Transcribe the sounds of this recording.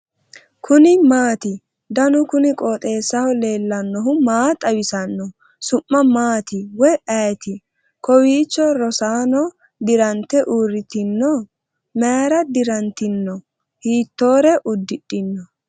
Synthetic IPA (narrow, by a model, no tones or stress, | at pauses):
kʰʊnɪmaːt̪ɪ | d̪ɐnʊkʊnɪkʼoːt̪ʼe̞ːsːɐhɔle̞ːlːɐnːɔɦʊmaːt̪ʼɐwɪsɐnːɔ | sʊmːɐmaːt̪ɪwɔjʔɐjt̪ɪ | kɔwiːt͡ʃːɔɾɔsaːnɔ | d̪ɪɾɐnt̪ːɛʔuːrɪt̪ɪnːɔ | meɾɐd̪ɪɾɐnt̪ɪnːɔ | hiːt̪ːo̞ːɾɛʔʊd̪ːɪɗɪnːɔ